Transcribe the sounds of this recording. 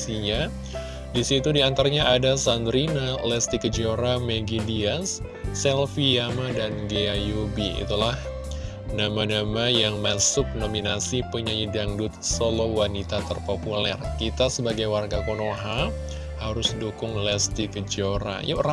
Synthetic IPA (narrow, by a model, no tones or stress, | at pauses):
iɲa | disit̪udiant̪aɾaɲaʔadasand̪ɾinalɛst̪ikəd͡ʒoɾameɡidiasː | ɛlfijamadanɡeajubiḭt̪ulah | namanamajaŋmasʊk̚nominasipəɲaidaŋdʊt̪̚solowanit̪at̪ərpopulɛ̰rkit̪asəbaɡajwarɡakonoɦa | haɾʊsdukʊŋlɛst̪ikəd͡ʒoɾa̰jra